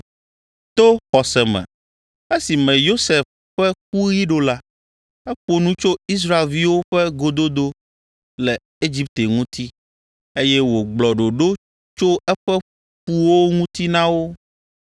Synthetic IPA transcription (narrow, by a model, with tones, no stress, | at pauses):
t̪o˦xɔ˨sɛ˨mɛ̰̃˨ | e˦si˨mɛ̃˨jo˦sɛ˨f | ɸɛ˦k̚u˦ji˦ɖo˦la˦ | ɛ˦ɸo˨nũ˦t͡ʃo˦i˦s̬ɾa˦˨e˨lvi˦wo˦ɸɛ˦ɡo˨d̪o˦d̪o˦ | lɛ˨ | e˦d͡ʑi˦p̚t̪e˨ŋũ˦t̪i˦ | e˦jɛ˦wo˨ɡ͡blɔ˨ɖo˨ɖo˦ | t͡ʃo˦ʔɛ˦ɸɛ˦ | ɸu˨wo˦ŋũ˦t̪i˦nã˦wo˦